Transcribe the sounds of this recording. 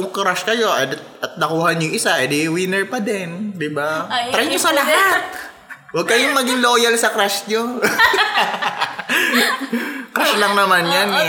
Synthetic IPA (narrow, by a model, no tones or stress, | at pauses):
ʊkɾaʃkɐjo̞ʔɐd̪ɐt̪̚nɐkuːhɐɲʊŋʔɪsaʔɛd̪ɪwɪnɛɹpɐd̪ɛnd̪ɪbaɾajɲosɐlɐɦat̪̚ | wɐɡ̚kɐjoŋmɐɡɪŋloːjɐlsɐkɾaʃɲo | kɾaʃlɐŋnɐmanjanɛ